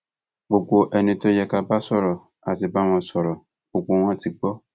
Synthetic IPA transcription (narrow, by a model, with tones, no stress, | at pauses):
bo˨ɡo˨ʔɛ˨nĩ˨t̪o˦jɛ˨ka˨ba˦sɔ˦ɾɔ˨ | a˨ti˨ba˦wɔ̃˨sɔ˨ɾɔ˨ | b̥o˨ɡo˨w̃ɔ̃˦ti˨ɡ͡bɔ˦